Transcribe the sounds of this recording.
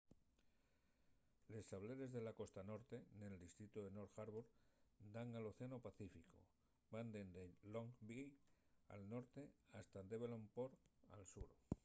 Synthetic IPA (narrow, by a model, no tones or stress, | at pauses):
le̞st̪aβle̞ɾe̞zðe̞lako̞st̪ano̞ɾt̪e̞ne̞ld̪ist̪ɾit̪uðeno̞ɾxaɾβoɾd̪aŋalo̞θeanopaθifiko̰ | mand̪e̞nd̪eloŋbia̰lno̞ɾt̪e̞ast̪ad̪e̞βelompoɾa̰lsuɾ